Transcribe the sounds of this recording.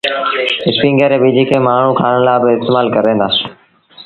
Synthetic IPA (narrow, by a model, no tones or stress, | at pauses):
ɪspĩːŋɡeːɾeːɓid͡ʒʱiːkʰeːmaːɳ̤ũːkʰaːɽ̃laːbɪɪst̪eːmaːlkəɾẽːnd̪aː